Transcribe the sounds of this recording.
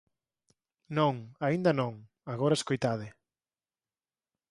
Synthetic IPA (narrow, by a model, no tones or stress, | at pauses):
nõŋaind̪ɐnõŋ | aɣoɾɐeskojt̪að̞ɪ